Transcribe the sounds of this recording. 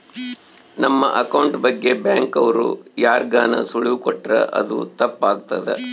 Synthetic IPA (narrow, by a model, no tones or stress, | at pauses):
nɐmːɐ̰ʔɐkɐwɳʈbɐɡːe̞baːŋkɐʋɐɾṵjaːɾɡaːnɐ̰suɭiʋkɔʈːɾɐ̰ʔɐ̰d̪ṵt̪ɐpːaːɡ̚t̪ɐd̪ḛ